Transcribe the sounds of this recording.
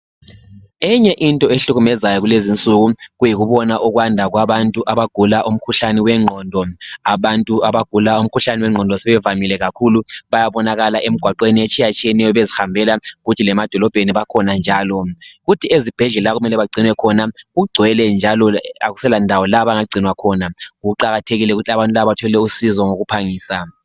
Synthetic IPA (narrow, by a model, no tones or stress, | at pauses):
ɛɲɛʔintʼɔeɬuɣumɛzajɔɣulezint͡sʼuɣuɣujiɣuβɔnaʔuɣwandʱaɣwaβantʼuʔaβaɡ̥ʱulaʔum̩kʰuɬaniwɛŋ͡ǃʱɔndʱɔaβantʼuaβaɡ̥ʱulaum̩kʰuɬaniwɛŋ͡ǀʱɔndʱɔsɛβɛvamilɛɣakʰuluβajaβɔnaɣalaʔem̩ɡ̥ʱwaǃweniet͡ʃʼijat͡ʃʼijɛnɛjɔβezixambʱɛlaɣutʰilɛmad̥ʱɔlɔb̥ʱeniβakʰɔnand͡ʒʱaːlɔɣutʰiezib̥ʱɛɮɛlaɣumɛlɛβaɡ͡ǀʱinwɛkʰɔnaɣuɡ͡ǀʱwɛlɛnd͡ʒʱalɔaɣusɛlandʱawɔlaβaŋaɡ͡ǀʱinwakʰɔnaɣuǃaɣatʰeɣilɛɣutʰiaβantʼulaβatʰɔɛlɛusizɔŋoɣupʰaŋiːsa